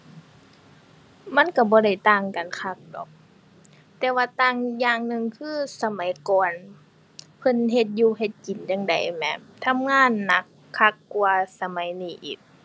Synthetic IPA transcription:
ma˧˥˨nka˧˩bɔː˧˦da˧˩jt̪aː˧˩ŋka˨nkʰa˧k̚dɔ̰ː˨˦k̚ | t̪ɛː˧waː˧˩t̪aː˧˨ŋjaː˧˩ŋnɯ˧˨ŋkʰɯː˧˥˩sa˧ma˨˦jkɔː˨n | pʰɤ˧˥˨nɦe˧t̪̚juː˧ɦe˧t̪̚ki˨˩njaː˧˨ŋda̰˨jmɛ̰˧˩mt̪ʰa˧˥˨mŋaː˧˥˨nːa˧˦kʰːa˧˩kːuwaː˧sa˧ma˨˦jniː˧˩ʔḭː˨˩k̚

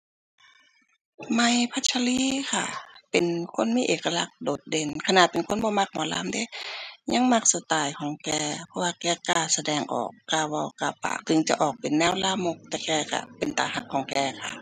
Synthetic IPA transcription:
ma˧˩jpʰa˧˥t͡ɕʰa˧liː˧˨kʰa˧˩pe˨nkʰo˧˥˨nmiː˧˥ʔeː˨˩ka˧la˧˦k̚doː˨˩t̪̚de˧˩˨nkʰa˧na˧˨pe˨nkʰo˧˥˨nbɔː˧ma˧˩k̚mɔː˧˨la̰ː˧˥˨mda˧˥˨ɲa˧˥ŋma˧˩k̚sa˧t̪aː˨˩jkʰɔː˨˩˦ŋkɛː˧˩pʰɔ˧waː˧kɛː˧˩kaː˧˩sa˧dɛː˧˩ŋʔɔ̰ː˨˩kːaː˧˩bɔː˧˩a˧pːa̰ː˧˨t̪ɯ˧˦ŋt͡ɕa˧˩ʔɔː˨˩k̚pe˨nːɛː˧˥˨wlaː˧˨mo˧k̚t̪ɛː˧˩kɛː˧˩ka̰˧˩pe˨nt̪a̰ː˨˩ha˧˩kʰːɔː˨˩˦ŋkɛː˧˩kʰa̰˧˨

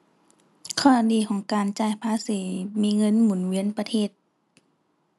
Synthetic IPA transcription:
kʰɔː˧˥˨diː˨˦kʰɔː˨˩˦ŋkaː˨nt͡ɕaː˧˩jpʰaː˧˥˨siː˨˦miː˧˥˨ŋɤ˧˥˨nmuː˨˩˦nwi˧˥ə˨npa˧t̪ʰeː˧˥˨t̪̚

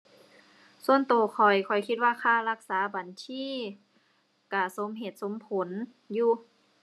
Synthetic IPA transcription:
su˧ənt̪oː˨˩kʰɔ˨˩jkʰɔ˨˩jkʰi˧t̪̚waː˧kʰaː˧˩˨la˧k̚saː˨˦ba˨˩nsʰiː˧˥˨ | ka˧˩so˨˦mɦe˧˩t̪̚so˨˦mpʰo˨˦n | juː˧˩

